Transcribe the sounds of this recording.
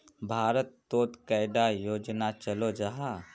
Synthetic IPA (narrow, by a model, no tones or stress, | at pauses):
bʱaːɾət̪ːoːt̪kaɪd̪ajoːd͡ʒnat͡ʃɐlod͡ʒaɦa